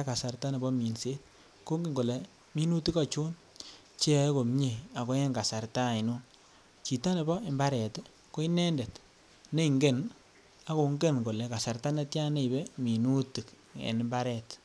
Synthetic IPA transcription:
a˦ka˨sa˨rta˦ne˨bɔ˦mi˨nse˦t̚ | ko˦ŋɡi˦˨ŋɡo˨le˨ | mi˦nu˦ti˦kɔ˦t͡ʃu˦n | t͡ʃe˦˨˦ko˨m˦ɲe˨a˨ko˦ɛ˦ŋɡa˨sa˨ɾta˦˨i˨no˦ | t͡ʃi˨ta˦ne˨bɔ˦e˨mba˦ɾɛ˨t | ko˦i˦nɛ˦nde˨t | ne˦i˨ŋɡe˦˨n | a˦ko˨ŋɡe˦nko˨lɛ˨ka˨sa˨rta˦ne˦tja˦ne˦i˨be˦mi˨nu˦ti˨kḛ˨n˨mba˦ɾɛ˨t

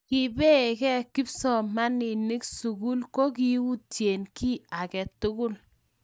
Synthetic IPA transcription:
ki˨be˦˨kɛ˦kɪ˦psɔ˨ma˦ni˨nɪ˦ksu˨ku˦lko˦k̬i˦wu˦tje˨nki˦a˨kɛ˨tʊ˦kʊ˦l

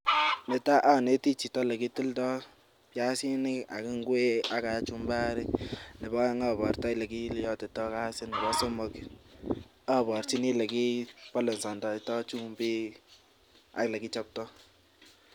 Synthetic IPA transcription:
nɛ˨ta˦ʔa˦˨ne˦ti˦t͡ʃi˨tɔ˦le˨ki˦tu˦ltɔ˦ | pja˦si˦nɪ˦ka̰˨ki˦ŋɡwe˦a˦ka˨˦t͡ʃu˦mba˦ɾɪ˦nɪ˨bɔ˦ŋa˦˨bɔ˨rta˦i˦le˨ki˦ljɔ˦tɛ˨tɔ˦ka˦sɪ˦ni˨bɔ˦sɔ˦mʊ˦k | a˦˨pɔ˨ɾt͡ʃi˦ni˦le˨ki˦pɔ˦lɔ˨nsɔ˨ndɔ˨i˨tɔ˦t͡ʃu˦mbi˦ | a̰˨kla˨ki˦t͡ʃa˦p̚tɔ˦

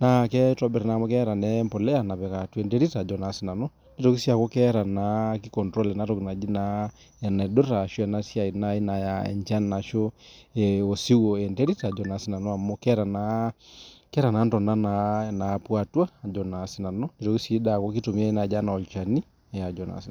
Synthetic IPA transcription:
na˨˦kɛ˦tɔ˨˦bɛ˨ɾna˨mɔ˦kɛ˦ɾa˨nɛ˦mpo˨lɛ˦ja˨na˨pɛ˨ka˨twe˨nde˦ɾi˦ta˨d͡ʒɔ˨na˨si˨na˨no˦ | ne˦to˨ki˦sja˨ko˦kɛ˦ɾa˨na˨˦ki˦kɔ˨ntɾo˦le˨na˨˦to˦kna˨d͡ʒi˦na˦˨ | nɛ˨do˦ta˨ʃo˦ɛ˨na˦sja˨i˨na˦i˦na˨ja˨ɛ̰˨ɲt͡ʃa˦nna˨ʃo˦e˨o˨si˦wo˨e˨nte˦ɾi˦ta˨d͡ʒɔ˨na˨si˦na˨nɔ˦a˨mo˦kɛ˦ɾa˨na˦ | kɛ˦ɾa˨na˨˦ntɔ˨na˦na˨na˨pwa˨twa˦a˨d͡ʒɔ˨na˨si˦na˨no˦ne˦to˨ki˦si˦da˨ko˦ki˦to˨mi˦a˦na˨d͡ʒa˦na˨ɔ˨t͡ʃa˨ni˦˨ | ja˨d͡ʒɔ˨na̰˨s

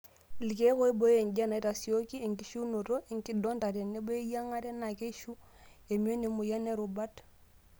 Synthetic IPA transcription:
li˨ke˦ko˦i˦bo˦je˨ŋd͡ʒa˦na˨i˦ta˨si˨o˦ki˦e˨ŋki˨ʃu˦no˨to˦e˨ŋki˦dɔ˦nta˨te˨nːe˦bo˦e˦ja˦ŋa˦tɛ˦na˨ke˦ʃu˦ | e˨m˦o˦ne˨mu˨ja˦ne˦ɾu˨ba˦t

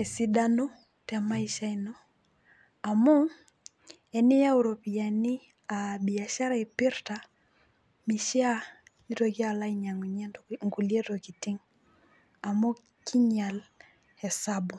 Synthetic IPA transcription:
ɛ˨si˨da˦no˦ | tɛ˨ma˦i˦ʃa˦ino˦ | a˨mɔ˦ | ɛ˨ni˦ja˦u˨ɾo˨pi˨ja˨ni˦ | a˨bi˨a˨ʃa˦ɾa˦i˨pi˦ɾta˨ | mi˨ʃi˦a˦ni˦to˨ki˦a˨la˦i˦ɲa˨ŋu˨ɲ˦ŋɡu˨li˦e˦tɔ˨ki˨ti˦ŋ | a˨mo˦ | kʰi˦ɲa˨l | hɛ˨sa˦bu˨

